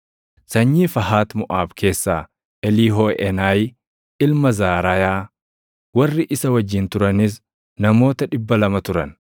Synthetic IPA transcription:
sɐɲːiːfɐɦaːt̪mʊʔaːbkʰe̞ːsːaː | ɛliːɦoːʔɛnaːj | ɪlmɐzaːɾɐjaː | wɐrːɪʔɪsɐwɐd͡ʒːɪnt̪ʊɾɐnɪs̬ | nɐmo̞ːt̪ɐᶑɪbːɐlɐmɐt̪ʊɾɐn

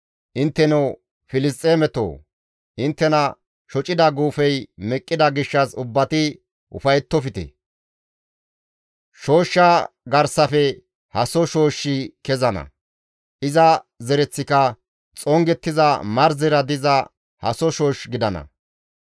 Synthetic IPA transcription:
ʔɪnt̪ːɛnɛw | fɪlɪs̬t̪ʼeːmɛt̪o̰ː | ʔɪnt̪ːɛnɐ | ʃɔt͡ʃʼɪd̪ɐɡuːfɛjmɛkʼːɪd̪ɐɡɪʃːɐsʊbːɐt̪ɪ | ʔʊ̰fɐjɛt̪ːɔfɪt̪ɛ̰ | ʃo̞ːʃːɐ | ɡɐɾsɐfɛ | hɐsɔʃo̞ːʃːɪkɛzɐnɐ̰ | ʔɪzɐzɛɾɛt͡sːɪkɐ | t͡sʼɔŋɡɛt̪ːɪzɐmɐɾzɪɾɐd̪ɪzɐ | hɐsɔʃo̞ːʃɡɪd̪ɐnɐ̰

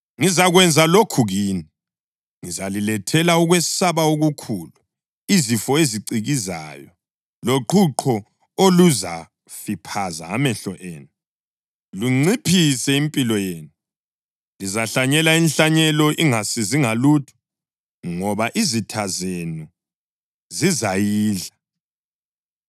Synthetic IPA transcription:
ŋizaɣwɛnd͡zʱalokʰuɣiːni | ŋizalilɛtʰɛlauɣwɛsaβaoɣukʰuːlu | izifɔeziǀiɣiza̰jɔ | loǃʰuǃʰɔ | oluza̰ | fipʰaza̰ːmɛɬɔ̰ʔḛːnu | luŋ͡ǀipʰisɛimpʼilɔjeːnu | lizaɬaɲɛlainɬaɲɛlɔʔiŋasiziŋalutʰu̥ | ŋɔβaʔizitʰazenu | zizajiːɮa

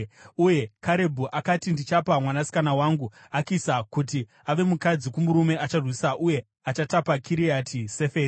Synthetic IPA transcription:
uje̞kʰaɾe̞bʱuʔakatindit͡ʃapamwanasi̥kanawaŋɡu | akisakuti | aʋe̞mukad͡zikumuɾume̞ʔat͡ʃarwisaʔuje̞ | at͡ʃatapakʰiɾiatʰise̞feːi

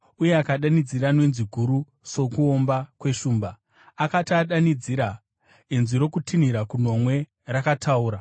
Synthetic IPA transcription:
uje̞akaɗanid͡ziranwenziɡʱuɾu | so̞kuo̞mbakwe̞ʃuːmbaː | katiaɗanid͡ziɾa | inziɾo̞kutʰiniɾakuno̞mwe̞ | rakatʰauːɾa

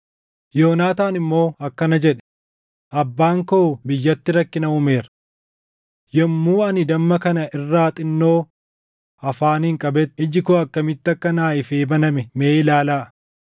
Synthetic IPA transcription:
jo̞ːnaːt̪aːnɪmːo̞ːɐkːɐnɐd͡ʒɛᶑɛ̥ | ʔɐbːaːŋkoʊbɪjːɐt̪ːɪɾɐkːɪnɐʊme̞ːɾɐ | jɐmːuːɐnɪd̪ɐmːɐkɐnɐʔɪrːaːt̪ʼɪnːo̞ː | ɐfaːnɪŋkʼɐbɛt̪ːɪd͡ʒɪkoɐkːɐmɪt̪ːɐkːɐnaːɪfeːbɐnɐmɛmeːɪlaːlaː

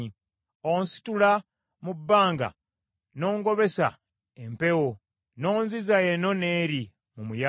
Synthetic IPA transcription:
i | onsi̥tula | mubːaːŋɡa̰ | no̞ːŋɡo̞βe̞sa̰ | empe̞wo | no̞ːnzizaeno̞ne̞ːɾi | mumuja

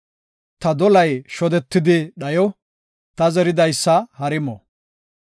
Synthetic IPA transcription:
t̪ɐd̪ɔlɐjʃɔd̪ɛt̪ːɪd̪ɪɗɐjɔ | t̪ɐzɛɾɪd̪ɐjsːɐhɐɾɪmɔ

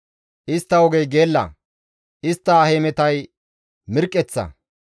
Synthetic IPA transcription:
ʔɪst̪ːɐwɔɡɛjɡeːlːɐ̰ | ʔɪst̪ːɐːheːmɛt̪ɐj | mɪɾkʼːɛt͡sːɐ̰

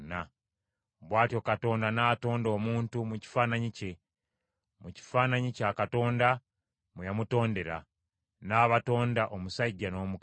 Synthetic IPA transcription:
na | βwaːtjo̞kato̞ːndanaːto̞ːndo̞ːmuːntumuci̥faːnaɲice̞ | muci̥fanaɲicaːkato̞ːnda | mujamuto̞ːnde̞ɾa̰ | naːβato̞ːndaʔomusaiɟːano̞ːmuk

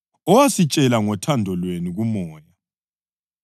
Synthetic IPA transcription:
ɔwasit͡ʃʼɛlaŋɔtʰandʱɔlweniɣumɔːja

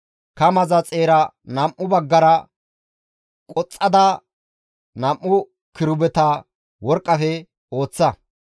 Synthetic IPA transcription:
kɐmɐzɐt͡sʼe̞ːɾɐnɐmʔːʊbɐɡːɐɾɐ | kʼɔt͡sʼːɐd̪ɐ | nɐmʔːʊ | kɪɾʊbɛt̪ɐ | wɔɾkʼːɐfɛ | o̞ːt͡sːɐ

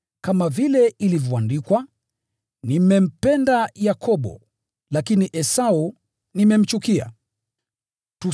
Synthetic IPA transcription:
kamavilɛilivɔandikwa | nimɛm̩pɛndajakʰɔɓɔ̰ | lakiniʔɛsau | nimɛm̩t͡ʃukia̰ | tu

